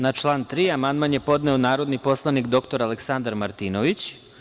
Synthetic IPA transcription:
nat͡ʃlˠaːnt̪ɾiːamand̪manje̞po̞d̪neonaːɾo̞d̪nipo̞slˠanikd̪o̞kt̪o̞ɾaleksand̪aɾmaɾt̪inoʋit͡ɕ

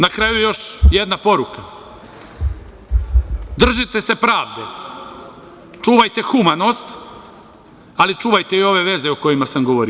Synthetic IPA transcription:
nakɾajujejo̞ʃjed̪napo̞ɾuka | d̪r̩ʒit̪e̞se̞pɾaːʋd̪e̞ | t͡ʃuːʋajt̪e̞xumano̞st̪ | alit͡ʃuːʋajt̪e̞io̞ʋe̞ʋe̞zeoko̞jimasamɡo̞ʋo̞ɾi

